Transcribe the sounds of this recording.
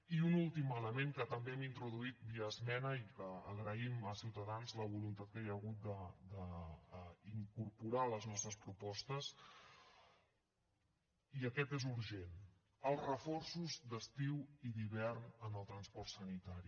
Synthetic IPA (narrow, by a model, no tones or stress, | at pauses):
iunulˠt̪imələmeŋkət̪əmbeɛmint̪ɾuðuit̪̚biəzmɛnəikəːɣɾəiməsiwt̪əðanzləβ̞ulunt̪at̪̚kajəɣut̪̚d̪əd̪ə | iŋkuɾpuɾaləznɔst̪ɾəspɾupɔst̪əs | iəkɛt̪ezuɾʒen | əlˠzrəfɔrsuzd̪əst̪iwiðiβ̞ɛrnənəlˠt̪ɾənspɔrt̪sənit̪aɾi